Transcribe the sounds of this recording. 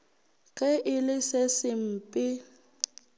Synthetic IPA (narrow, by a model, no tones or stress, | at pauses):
ɣʼɛʔɪlɪsɪsɪm̩pʼɪ